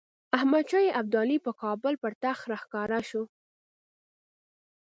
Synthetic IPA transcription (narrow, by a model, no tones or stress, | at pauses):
ahmad̪t͡ʃajeʔab̚d̪ɑlipəkɑbəlpəɾt̪axɾahkɑɾaʃu